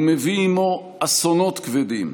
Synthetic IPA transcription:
meviːmo | asonot̪kved̪im

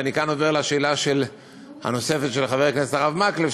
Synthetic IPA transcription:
anikanoveʁleaʃeːlaʃel | ha̰no̞se̞fet̪ʃelχaveʁknesetaʁavmaklef

